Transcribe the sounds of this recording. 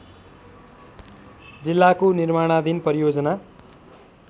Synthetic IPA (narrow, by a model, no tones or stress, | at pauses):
d͡zilːakonirmaɽ̃ad̪inpʌɾijod͡zʌna